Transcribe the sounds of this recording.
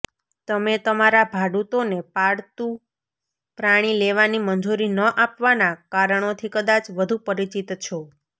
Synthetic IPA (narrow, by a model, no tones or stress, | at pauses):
t̪əmet̪əmaɾabʱaɽut̪onepaɽt̪ũ | pɾaɽ̃ileʋanimənd͡ʒuɾinəʔapʋanakaɾəɳ̃ot̪ʰikəd̪at͡ʃʋəd̪ʱupəɾit͡ʃit̪t͡ʃʰo